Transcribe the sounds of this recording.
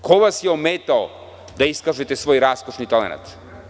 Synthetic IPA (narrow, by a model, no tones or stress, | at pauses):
kʰoʋasjɛomeːt̪ao | d̪aiskaʒɛt̪ɛsʋoːjɾaskoʃnit̪alḛna̰t̪